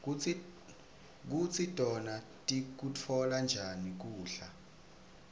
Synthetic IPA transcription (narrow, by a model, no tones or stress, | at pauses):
k̬ut͡sʰitʼɔnatʼik̬ut͡fʰɔland͡ʒʱanik̬uːɬa